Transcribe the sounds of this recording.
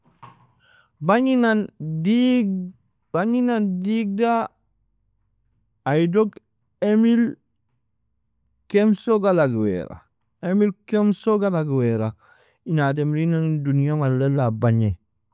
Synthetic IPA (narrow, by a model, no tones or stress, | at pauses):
baɲinani | b̥aɲinandiɡ̚da | aidoɡ | emil | kemsoɡalaɡwḛɾa̰ | emilkemsoɡalaɡweɾa | inat̬emɾinandunijamalelːabaɲe